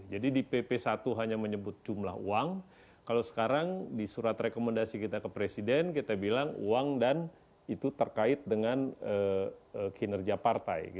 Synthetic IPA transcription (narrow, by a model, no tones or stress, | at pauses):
d͡ʒadidipepesat̪uɦaɲaməɲəbʊt̪̚d͡ʒumla̰ɦṵaŋ | kalasə̥kaɾaŋdisuɾat̪rekoməndasikit̪akəpɾesidɛnkit̪abilaŋuaŋdan | it̪ut̪ərkaɪt̪̚dəŋanəəkinərɡiapart̪a̰jɡi